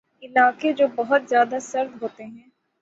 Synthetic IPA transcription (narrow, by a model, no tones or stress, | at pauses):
ɪnaːked͡ʒoːbɐɦʊt̪zjaːd̪asɐɾd̪ɦoːt̪eɦɛ̃ː